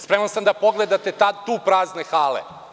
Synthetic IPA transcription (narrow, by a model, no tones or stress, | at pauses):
spɾemansamd̪apo̞ɡled̪at̪et̪ad̪t̪uːpɾaːznexaːlḛ